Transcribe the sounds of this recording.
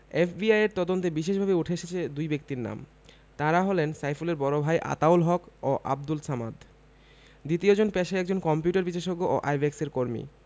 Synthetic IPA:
efbiajeɾt̪ɔd̪ont̪ebiʃeʃbʱabeuʈʰeeʃet͡ɕʰed̪ujbek̚t̪iɾna̰m | t̪aɾaɦɔlensajfuleɾbɔɾobʱajʔa̰t̪awlɦɔkoʔa̰b̚d̪ulsamad̪ | d̪it̪iod͡ʑonpɛʃaɛkd͡ʑonkɔmpjuʈaɾbiʃeʃoɡːoʔo̰ʔajbekseɾkoɾmḭ

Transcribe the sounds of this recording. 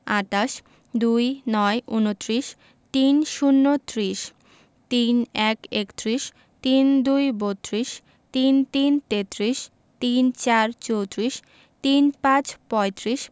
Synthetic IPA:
at̪aʃ | d̪ujnɔeʔunot̪ːɾiʃ | t̪inʃunːot̪ɾiʃ | t̪inɛkekt̪ɾiʃ | t̪ind̪ujbot̪ːɾiʃ | t̪int̪int̪et̪ɾiʃ | t̪int͡ɕaɾt͡ɕowt̪ɾiʃ | t̪inpãt͡ɕpɔet̪ɾiʃ

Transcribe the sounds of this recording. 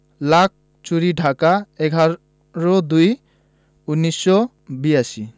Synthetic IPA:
lak̚ʰ | t͡ʃuɾiɖʱakaɛɡʱa | ɹɔd̪uj | unːisːɔ | biasi

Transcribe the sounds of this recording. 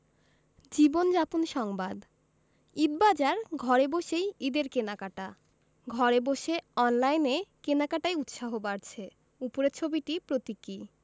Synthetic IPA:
d͡ʑibond͡ʑapunʃɔŋbad̪ | ibbad͡ʑaɾɡʱɔɾeboʃejid̪eɾkenakaʈa | ɡʱɔɾeboʃeɔnlajnekenakaʈajut̪ʃaɦobaɾt͡ɕʰe | upoɾet͡ɕʰobiʈipɾot̪ikːi

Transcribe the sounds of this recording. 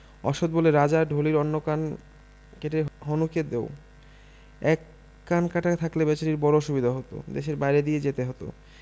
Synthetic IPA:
ɔʃod̪̚boleɾad͡ʑaɾɖʱoliɾɔnːokan | keʈeɾɦonuked̪eo | ɛkː | ankaʈat̪ʰaklebɛt͡ɕaɾiɾbɔɾoʃubid̪ʱaɦot̪o̰d̪eʃeɾbajɾed̪ijed͡ʑet̪eɦɔt̪o̰

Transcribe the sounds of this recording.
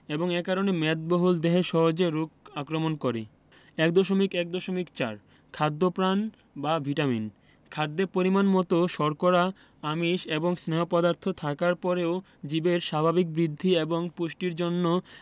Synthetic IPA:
eboŋekaɾonemɛt̪̚boɦuld̪eɦeʃɔɦod͡ʑeɾukakɾomonkoɾḛ | ɛk̚d̪ɔʃomikɛk̚d̪ɔʃomikt͡ɕa̰ɾ | kʰad̪ːopɾan | babʱiʈamḭn | kʰad̪ːeɾpoɾimanmɔt̪oʃɔɾkoɾa | amiʃeboŋsneɦopɔd̪aɾt̪ʰot̪ʰakaɾpɔɾeo | d͡ʑibeɾʃabʱabik̚bɾid̪ʱːieboŋpuʃʈiɾd͡ʑonːo

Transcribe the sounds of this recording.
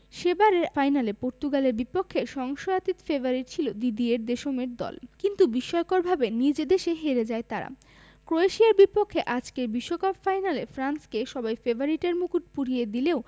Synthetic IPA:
ʃebaɾeɾfajnalepoɾt̪uɡaleɾbipokʰːeʃɔŋʃojat̪it̪feboɾiʈ̚t͡ɕʰilod̪id̪ieɾd̪eʃomeɾd̪ɔ̰lkint̪ubiʃɔekoɾbʱabenid͡ʑed̪eʃeɦeɾed͡ʑaet̪aɾa̰ | kɾoeʃiaɾbipokʰːeʔad͡ʑkeɾbiʃːokapfajnalefɾanskeʃɔbajfeboɾiʈeɾmukuʈ̚puɽijed̪ileo

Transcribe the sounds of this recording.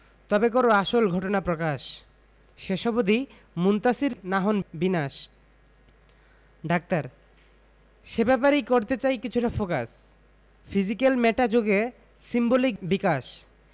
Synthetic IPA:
t̪ɔbek̬oɾoaʃolɡʱɔʈonapɾokaʃ | ʃeʃɔbod̪i | munt̪asiɾnaɦonbinaʃ | ɖak̚t̪aɾ | ʃebɛpaɾejkoɾt̪et͡ɕajkit͡ɕʰuʈafokas | fizikelmɛʈad͡ʑoɡe | simbolik̚bikaʃ

